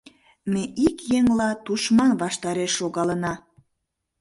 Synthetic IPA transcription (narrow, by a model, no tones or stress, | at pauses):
meʔikjeŋlɑt̪uʃmɑnβɑʃt̪ɑɾeʃːoɣɑlənɑ